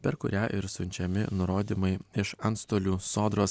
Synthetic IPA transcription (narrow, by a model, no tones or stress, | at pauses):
pʲɛɾkʊɾʲæːʔɪɾsʊnʲt͡ʃʲɛmʲɪ̰nʊɾoːd̪ʲiːmɐɪɪʃɐnt̪st̪oːlʲuːsoːd̪ɾoːs